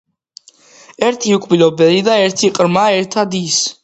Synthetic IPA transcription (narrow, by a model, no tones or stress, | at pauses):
ɛɾt̪ʰiukʷʼʰbilɔbɛlid̪aɛɾt̪ʰiqʼɾmaːɛɾt̪ʰad̪is